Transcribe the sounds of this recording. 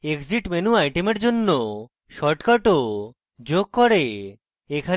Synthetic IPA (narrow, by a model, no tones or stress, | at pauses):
ekd͡ʑiʈmenuajʈemeɾd͡ʑonːo | ʃɔʈkɔʈo | d͡ʑoɡ̚kɔɾe | ekʰa